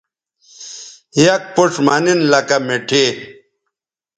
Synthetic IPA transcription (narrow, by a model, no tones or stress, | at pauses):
jɐk̚puʈ͡ʂmaninlɐkɐmeʈʰe